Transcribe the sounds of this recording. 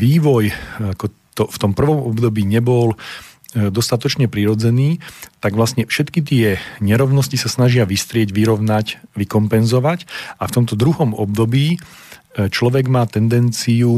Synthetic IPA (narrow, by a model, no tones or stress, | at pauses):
ʋiːʋɔjakɔ | t̪ɔft̪ɔmpr̩ʋɔmɔbd̪ɔbiːɲɛbɔl | d̪ɔst̪at̪ɔt͡ʃɲɛpɾiɾɔd͡zɛniːt̪aɡʋlasɲɛfʃɛt̪kit̪ɪɛɲɛɾɔʊnɔscisasnaʒɪaʋist̪ɾɪɛɟʋiɾɔʊnacʋikɔmpɛnzɔʋacaft̪ɔmt̪ɔd̪ɾuɦɔmɔbd̪ɔbiː | t͡ʃlɔʋɛɡmaːt̪ɛnd̪ɛnt͡siu